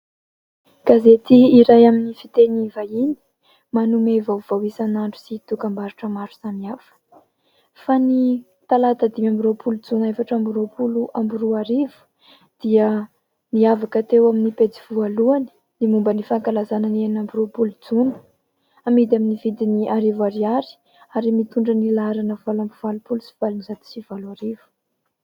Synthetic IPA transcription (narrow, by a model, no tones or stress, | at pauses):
ɡ̥azet̪iːɾajaminifit̪enivajini̥ | manumevav̥awisanaɳɖ͡ʐu̥sit̪ukambaɾuʈ͡ʂəmaɾu̥saniafə̥ | fani | t̪alat̪əd̪imambiɾopʰulud͡zunefaʈ͡ʂambuɾopuluʔambuɾuaɾivu̥ | d̪̥iə | niavakət̪ewaminiped͡zivualuani̥ | nimumbənifaŋkalazanənenambiɾopulud͡zunə̥ | amid̪aminivid̪iniʔaɾivaɾiaɾi̥ | aɾimit̪uɳɖ͡ʐənilaaɾanəvalambiv̥alupulusi̥v̥alinizat̪i̥sivalaɾivu̥